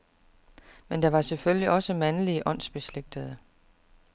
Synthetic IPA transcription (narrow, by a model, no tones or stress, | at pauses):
mend̥ɑ̈ʋɑ̈sefølliʔɒ̽səmænəliəʔɒ̽n̰sb̥e̝sleɡ̥̚d̥əð̞ˠə